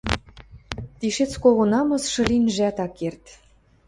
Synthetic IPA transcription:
t̪iʃet͡skoʁŏnɑmɤ̆sʃɤ̆lʲinʒæt̪ɑkert̪

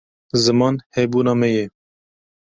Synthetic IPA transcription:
zɨmɑːnhɛbuːnɑːmɛjɛ

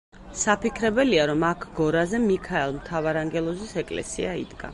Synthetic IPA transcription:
sapikʰɾɛbɛliaɾɔmakʰɡɔɾazɛmikʰaɛlˠmt̪ʰavaɾaŋɡɛlˠɔzisɛkʼlɛ̰sḭaḭd̪ɡa̰

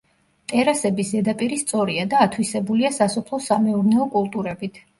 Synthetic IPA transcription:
t̪ʼɛɾasɛbisd̪ɛd̪apʼiɾist̪sʼɔɾiad̪aːt̪ʰwisɛbuliasasɔpʰlˠɔsamɛuɾnɛɔkʼulˠt̪ʼuɾɛbit̪ʰ

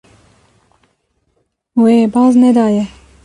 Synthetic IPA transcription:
weːbɑːzned̪ɑːje

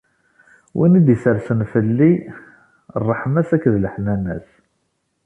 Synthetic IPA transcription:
wʔḭnid̪jəsəɾsənfəlːi | rˤːəħmæsækːðləħnænæ̰s

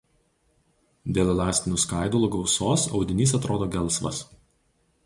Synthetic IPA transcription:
d̪ʲeːlʲˠɛlʲˠɑːsʲt̪ʲɪnʲuːskɑˑɪd̪ulˠʊːɡɒʊsoːsɒ̰ʊd̪ʲɪnʲiːsɐt̪ɾoːd̪oːɡʲɛlˠˑsʋɐ̰s

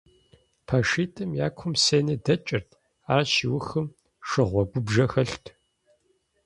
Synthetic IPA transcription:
pʰaʂiːtʼɨmja̰ːkʷʰʊmseːnɐdɐt͡ʃʼɪrtʰ | aːʃiwʊxɨm | ʂɨʁʷɔɡʷʊbʒɐxɐɬtʰ

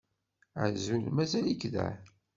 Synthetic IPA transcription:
ə̰zulmæzælikðæ̰

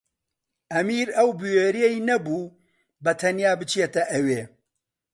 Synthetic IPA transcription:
ʔɐmiːɾɐwbɨweːɾijejnɐbuː | bɐt̪ʰɐnjaːbɨt͡ʃet̪ɐʔɐweː

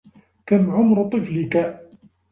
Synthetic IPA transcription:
kamʕʊmɾt̪ˤɨflɪka

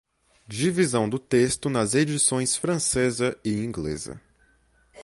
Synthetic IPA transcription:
d͡ʒivizɐ̃w̃d̪ʊt̪est̪ʊnɐzed͡ʒisõj̃sfɾɐ̃sezɐɪĩŋɡlḛzɐ̰

